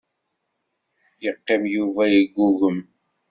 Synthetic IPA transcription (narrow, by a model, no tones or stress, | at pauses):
jəqːimjuvæjiɡʷːuʝəm